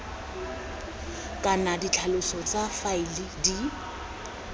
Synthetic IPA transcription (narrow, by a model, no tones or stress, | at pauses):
kʼanadit͡ɬʰalʊsɔt͡sʼafaɪlɪdi